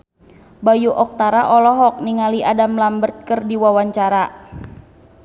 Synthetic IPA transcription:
bajuʔɔk̚t̪aɾaʔɔlɔɦɔk̚niŋaliʔadamlambərt̪̚kərdiwawaɲt͡ʃaɾa

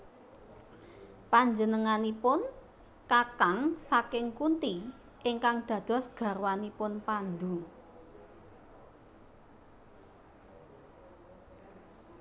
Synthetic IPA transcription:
paɲd͡ʒənəŋanipʊn | kakaŋsakɪŋkunt̪i | ʔɪŋkaŋd̪̥ä̤d̪̥ɔ̤sɡ̥ä̤ɾwanipʊnpand̪u

